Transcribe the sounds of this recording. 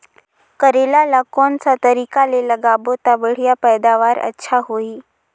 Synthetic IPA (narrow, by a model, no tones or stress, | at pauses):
kəɾelalakɔːnsat̪əɾiːkaleləɡaːbot̪aʋəɽ̤ijapɛːd̪aʋaːɾə̰tːʃʰaɦoiː